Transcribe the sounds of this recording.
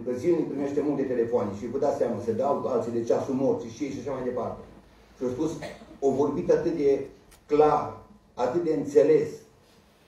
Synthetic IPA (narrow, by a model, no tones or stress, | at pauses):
pəzinipɾime̞ʃt̪e̞mult̪e̞t̪e̞le̞foaneʃivud̪at̪seamasəd̪awalt̪sid̪et͡ʃasumort̪siʃiejʃaʃamajd̪e̞part̪e | ʃiospusovo̞rbit̪at̪ɨt̪̚d̪e̞ | klar | at̪ɨt̪̚d̪e̞ɨnt̪se̞le̞s